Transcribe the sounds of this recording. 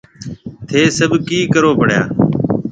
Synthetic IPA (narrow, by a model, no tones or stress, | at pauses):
t̪ʰeːsəbʱkiːkəɾoːpəɳ̤ja̰ː